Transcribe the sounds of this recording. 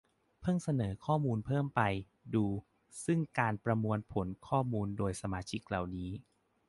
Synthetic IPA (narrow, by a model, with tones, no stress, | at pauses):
pʰɯ˥˩ŋsa˧nɤː˩˦kʰɔː˥˩muː˧npʰɤː˥˩mpa˧j | duː˧ | sɯ˥˩ŋkaː˧npɾa˧mu˧ənpʰo˩˦nkʰɔː˥˩muː˧ndoː˧jsa˧maː˧t͡ɕʰi˦˥k̚la˨˩wniː˦˥